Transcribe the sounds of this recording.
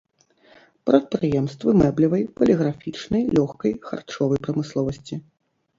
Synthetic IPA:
pɾɐt̪̚pɾɨjɛmst̪vɨmɛblʲivɐjpɐlʲɛɣɾafʲit͡ʂnɐjlʲɔxkɐjxa̰rt͡ʂɔvɐjpɾɐmɨslˠɔvɐsʲt͡sʲi

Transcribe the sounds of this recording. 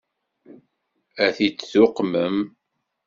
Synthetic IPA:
æθit͡sːθʊqməm

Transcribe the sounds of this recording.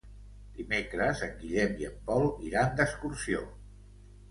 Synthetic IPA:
d̪imekɾəzəŋɡiʎɛmiəmpɔlˠḭɾand̪əskuɾsio

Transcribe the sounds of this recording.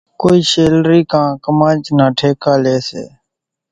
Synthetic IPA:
koːiːʃeːlɾiːkãːkəmãːt͡ʃnaːʈʰeːkaːleːsḛː

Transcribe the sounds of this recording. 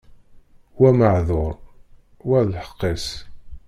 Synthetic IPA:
wæməʕðoɾˤ | wælħə̥qːis

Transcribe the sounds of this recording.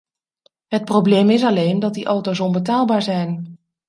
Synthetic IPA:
ɦət̚prowblejmɪs̬ɑlejndɑt̚diʔowtowsɔnbətaːlˠbaːɹzɛjn

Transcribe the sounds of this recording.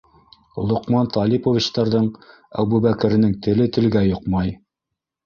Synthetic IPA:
lˠŏqmɑnt̪ɑlʲipovʲit͡ɕt̪ɑɾðɤɴ | æ̰wbʉβækɘ̆ɾɘ̆nɘŋt̪ɘ̆lɘt̪ɘ̆lɡæjŏqmɑj

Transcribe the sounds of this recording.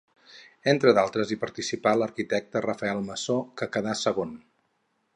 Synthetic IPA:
ent̪ɾəðalˠt̪ɾəzipəɾt̪isipaləɾkit̪ɛk̚t̪ərəfəɛlˠməsokəkəðasəɣon

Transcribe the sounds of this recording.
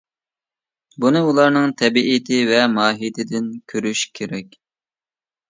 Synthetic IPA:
bunɨulˠɑɾnɨŋt̪ʰɛbiʔit̪ʰɪvɛmɑːɦit̪ʰɪd̪ɪnkʲʰøɾyʃkʲʰeɾɛkʲ

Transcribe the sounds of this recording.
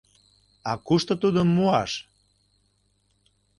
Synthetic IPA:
ɑkuʃt̪ə̆t̪ud̪omːuɑʃ

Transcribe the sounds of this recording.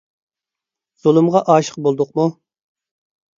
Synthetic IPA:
z̥olˠɨmʁɑʔɑːʃə̥q̚bolˠd̪ʊqmu

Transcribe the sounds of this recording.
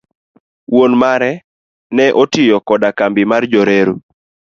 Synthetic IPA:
wonmaɾɛ | nɛʔotɪjɔkɔdakambɪmard͡ʒoɾeɾu

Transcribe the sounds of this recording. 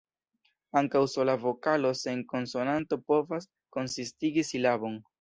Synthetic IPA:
aŋkawso̞lavo̞kalo̞se̞ŋko̞nso̞nanto̞po̞vas | ko̞nsistiɡisilaβo̞n

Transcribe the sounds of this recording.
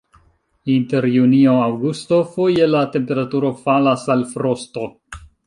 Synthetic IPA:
inte̞ɾjunio̞awɡusto̞fo̞je̞late̞mpe̞ɾatuɾo̞falasalfɾo̞sto̞

